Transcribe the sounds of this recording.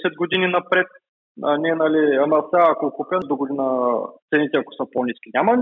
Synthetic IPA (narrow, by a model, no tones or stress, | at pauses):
sɛd̪̚ɡod̪ininɐpɾɛt̪̚ | aniɛnɐliɐmɛlˠsaːkokupɛnd̪oɡod̪inət̪sɛnit̪ɛɐko̥səponiskʲinʲamɐ